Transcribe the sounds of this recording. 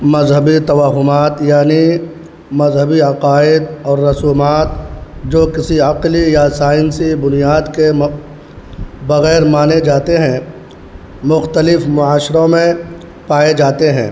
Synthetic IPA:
mɐzɦəbit̪ɐʋaːɦʊmaːt̪jaːni | mɐzɦəbiɐqaːɪd̪ɔːɾːɐsuːmaːt̪̚d͡ʒoːkɪsiɐqlijasaːɪnsibʊnijaːd̪ke | bɐɣɛːɾmaːned͡ʒaːt̪eɦɛ̃ː | mʊxt̪əlɪfmʊaːʃɾõmẽ | paːed͡ʒaːt̪eɦɛ̰̃ː

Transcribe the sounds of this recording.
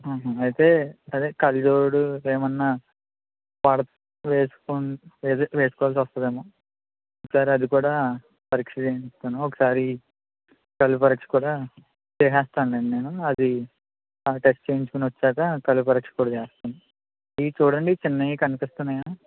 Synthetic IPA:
aːɦɐɐjit̪e̞ːɐd̪eːkɐlid̪oːɽueːmɐnːaː | paːɽɐt̪ | ʋeːsu̥kuneʋeːsu̥kɔʋalsiʋɐst̪ɐd̪eːmoː | okɐ̥saːɾiɐd̪ikuːɽaː | pɐɾikʂit͡ʃeːɲist̪aːnuɔkɐ̥saːɾi | kɐlːupɐɾɐkʂi̥kuːɽaː | t͡ʃeːɦɛːst̪aːnleːɳne̞ːnuɐd̪i | ʈesʈt͡ʃe̞ːjɲt͡ʃukunʋɐt͡ʃːaːkɐkɐlupɐɾɐkʂi̥kuːɽaːt͡ʃeːst̪uni | iːt͡ʃuːɽɐɳɖit͡ʃɪnːɐjikɐnipist̪unːɐjaː

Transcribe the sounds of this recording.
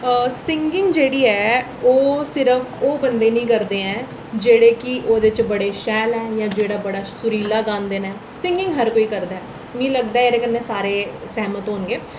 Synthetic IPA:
sɪŋɡɪ̃ŋɡd͡ʒeːɽiːɛː | oːsɪɾəfʰoːbənd̪eːnĩːkəɾd̪eːɛ̃ː | d͡ʒeːɽeːkɪʔoːd̪ɪt͡ʃbəɽeːʃɛːlɛ̃ːjãːd͡ʒeːɽaːbəɽaːsʊɾiːlaːɡãːnd̪eːnaɛː | sɪ̃ŋɡɪ̃ŋɡɦəɾkoːiːkəɾd̪aɛː | nĩːləɡd̪aːeːɾeːkənːeːsaːɾeːsɛːmət̪ɦoːnɡeː

